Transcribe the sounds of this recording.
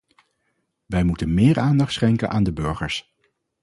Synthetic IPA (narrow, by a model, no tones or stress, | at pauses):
ʋɛjmutənmɪːɹaːndɑχtsχɛŋkənʔaːndəbøɹχəɹs